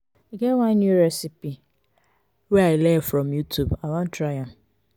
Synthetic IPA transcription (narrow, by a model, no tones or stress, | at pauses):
iɡewãnːjuɾɛsipi | weaɪlɛfɾɔ̃mjutʰjubawɔ̃ntʰɹaɪãm